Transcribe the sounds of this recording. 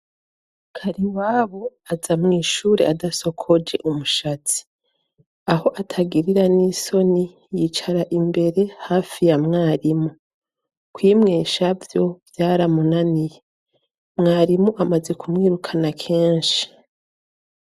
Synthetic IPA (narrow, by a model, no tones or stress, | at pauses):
kʰaɾiwaːβo̞azamŋiːʃuːɾe̞̰ʔadaso̞kʰo̞d͡ʒe̞̰ʔumuʃat͡si̥ | aho̞ʔatʰaɡiɾiɾaniso̞ni | jit͡ʃaɾaʔimbe̞ɾe̞haːfijamŋaːɾimu | kwiːmŋeːʃavjo̞vjaːɾamunanije̞ | mŋaːɾimuʔamaze̞kumŋiːɾukʰanakʰe̞ːnʃi̥